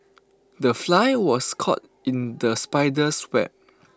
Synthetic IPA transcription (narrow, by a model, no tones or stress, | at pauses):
dəflajwɔskʰɔ̰t̚ | ĩndəspaɪdəswɛ̰p̚